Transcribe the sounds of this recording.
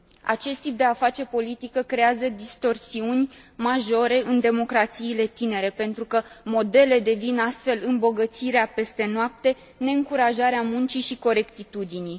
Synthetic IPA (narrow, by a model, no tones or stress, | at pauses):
a̰t͡ʃe̞st̪ːip̚d̪eafat͡ʃe̞po̞lit̪ikəkɾe̞azəd̪ist̪o̞rsiunʲmaʒo̞ɾe̞ʔɨnd̪e̞mo̞kɾat̪siːle̞t̪ine̞ɾe̞pe̞nt̪ɾukəmo̞d̪e̞le̞d̪e̞vinast̪fe̞lɨmbo̞ɡət̪siɾeape̞st̪e̞noap̚t̪e̞ | ne̞ɨŋkuɾaʒaɾeamunt͡ʃiʃiko̞ɾe̞kt̪it̪ud̪ini